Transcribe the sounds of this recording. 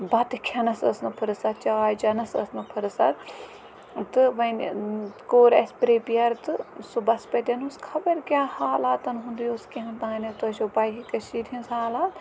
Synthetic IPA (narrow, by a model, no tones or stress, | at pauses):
bɐt̪ɨkʰɐnɐsɐsnɐpʰɨɾɨsɐt͡ʃaːjt͡ʃɐnɐsɐ̰snɐpʰɨɾɨsɐt̪ | t̪ɨʋɐnkoːɾɐ̰sʲpɾeːpijɐɾt̪ɨsubɐspɐt̪ʲɐnuskʰɐbɐɾkʲjaːhaːlaːt̪ɐnɦũnd̪iːoskeɦɐ̃nt̪ãːnɐt̪oʃobɐjɦikɐʃiːɾʰʲinsaːlaːt̪